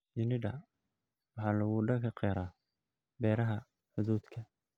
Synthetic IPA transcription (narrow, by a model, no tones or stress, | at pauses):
jɪnɪɖɐ | wɑħɑːlɐɣuɖɐkʰɐqɛːɾaː | bɛːɾɐɦɐ | ħʊðuːd̪kʰɐ